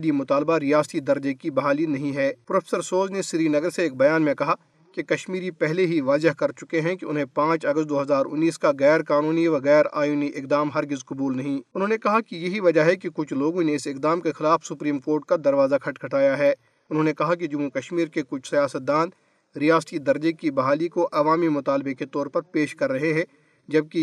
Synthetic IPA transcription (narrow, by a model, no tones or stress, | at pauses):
d̪imʊt̪aːlbaɾijaːst̪id̪ɐɾd͡ʒekibɐɦaːlinɐɦĩɦɛːpɾoːfʰeːsəɾsoːznesɪɾinɐɡəɾseeːk̚bɐjaːnmẽkɐɦa | kekɐʃmiːɾipɛɦleɦiʋaːzɪɦkɐɾt͡ʃʊkeɦɛ̃keʊnɦẽpãːt͡ʃɐɡəst̪̚d̪oːɦɐzaːɾʊ̰nːiːskaɣɛːɾkaːnuːniʋɐɣɛːɾa̰ːjuːniʔɪk̚d̪aːmɦɐɾɡɪzkɐbuːlnɐɦĩʊnɦõːnekɐɦakijɐɦiʋɐd͡ʒaɦɛkikʊt͡ʃʰloːɡõneɪsɪkd̪aːmkexɪlaːfsʊpɾiːmkoːɾʈ̚kad̪ɐɾʋaːzakʰɐʈkʰɐʈaːjaɦɛː | ʊnɦõːnekɐɦak̬id͡ʒʊmːukɐʃmiːɾkekʊt͡ʃʰsijaːsət̪̚d̪aːn | ɾijaːst̪id̪ɐɾd͡ʒekibɐɦaːlikoʔɐʋaːmimʊt̪aːlbeket̪ɔːɾpɐɾpeːʃkɐɾːɐɦeɦɛ̃ | d͡ʒɐb̚ki